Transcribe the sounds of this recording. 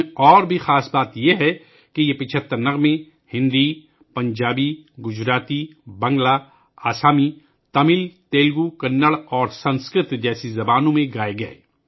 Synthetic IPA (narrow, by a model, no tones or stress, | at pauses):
ɔːɾbʱixaːsbaːt̪jeɦɛ | kejepɪt͡ʃʰət̪ːəɾnɐɣmẽ | hɪ̃nd̪i | pɐ̃ɲd͡ʒaːbiɡʊd͡ʒɾaːt̪ibɐ̃ŋɡla | aːsaːmi | t̪ɐmɪlt̪eːlɡukɐnːəɽɔːɾsɐ̃nskɾɪt̪d͡ʒɛːsizɐbaːnõmẽɡaːeɡɐḛː